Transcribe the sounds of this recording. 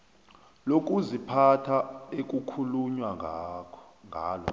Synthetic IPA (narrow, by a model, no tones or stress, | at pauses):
lok̬ʼuzipʰatʰaek̬ʼukʰuluɲwa | ŋʱa̰ːlɔ̰